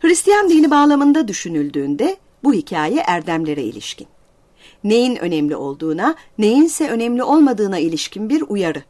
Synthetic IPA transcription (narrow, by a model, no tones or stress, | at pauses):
hɯɾist̪ijand̪enibaːlˠamɯnd̪ad̪yʃynylʲd̪yːnd̪ɛ | buhicʰaːjɛʔæɾd̪æmlʲe̞ɾɛḭlʲḭʃcinː | e̞jinø̰nɛmlʲḭʔo̞lˠd̪uːnane̞jinsɛʔø̞nɛmlʲiʔo̞lˠmad̪ɯːnailʲiʃcʰinbiɾujaɾɯ